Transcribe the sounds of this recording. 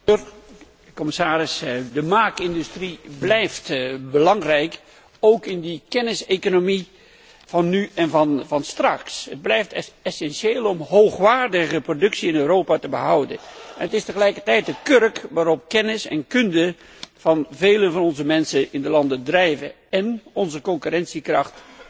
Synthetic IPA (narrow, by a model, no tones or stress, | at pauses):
r | kɔmɪsaːɾɪsdəmaːkɪndystriblɛjftbəlɑŋrɛjk | owkɪndikɛnɪsekonomi | v̥ɑnːyɛnvɑnvɑnstrɑksɦəd̚blɛjftɛsɛnʃeːlˠɔmɦowχʋaːɹdəɣəprodɵksiɪnøɾowpatəbəɦʌwdə̰nɛnətɪstəχəlɛjkəɹtɛjt̚dəkørkʋaːɾɔp̚kɛnɪsɛ̰nkɵndə | v̥ɑnvejlənvɑnɔnzəmɛnsənɪndəlɑndədrɛjvə̰ | ɛnɔnzəkɔŋkyrɛnsikrɑχt